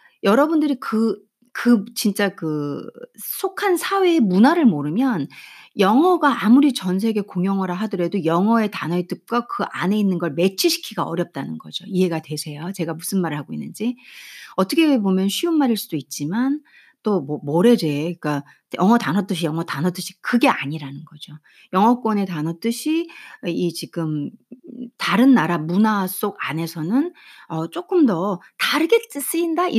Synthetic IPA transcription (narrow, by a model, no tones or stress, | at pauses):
jʌɾʌbundɯɾikɯ | kɯt͡ɕint͡ɕ͈akɯ | sʰokʰansʰawe̞ːmunaɾɯɭmoɾɯmjʌnjʌŋʌɡaamuɾit͡ɕʌns̬ʰe̞ɡe̞koŋjʌŋʌɾaɦadɯɾe̞dojʌŋʌe̞tanʌit͈ɯk̚k͈akɯʔane̞inːɯnɡʌɭme̞t͡ɕʰiɕʰi̥kʰiɡaʌɾjʌp̚t͈anɯnɡʌd͡ʑoiɦe̞ɡatwe̞sʰe̞jot͡ɕe̞ɡamusʰɯnmaɾɯɭhaɡoḭnːɯnd͡ʑiʌt͈ʰʌkʰebomjʌnɕʰɥiunmaɾiɭs͈ud̥oit̚t͡ɕ͈iman | t͈oomʌɾe̞de̞ik͈a | jʌŋʌtanɦʌt͈ɯɕ̬ʰijʌŋʌtanɦʌt͈ɯɕʰi̥kɯɡe̞aɲiɾanɯnɡʌd͡ʑo | jʌŋɦʌk͈ʌne̞tanʌt͈ɯɕʰiit͡ɕiɡ̥ɯm | taɾɯnːaɾamunas͈oɡane̞sʰʌnɯnʌt͡ɕ͈ok͈ɯmdʌtaɾɯɡet͈ɯs͈ɯindaʔi